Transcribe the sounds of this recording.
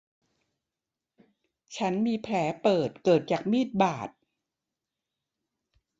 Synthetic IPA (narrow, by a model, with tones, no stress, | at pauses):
t͡ɕʰa˦˥nmiː˧pʰlɛː˩˦pɤː˨˩t̪̚kɤː˨˩t̪̚t͡ɕaː˨˩k̚miː˥˩t̪̚baː˨˩t̪̚